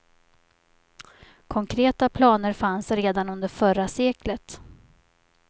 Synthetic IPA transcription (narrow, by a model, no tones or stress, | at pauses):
kʰɔŋkʰɾeːt̪apʰlɑːnəɾfansɾeːd̪anɵnd̪əɾfœɾaseːklət̪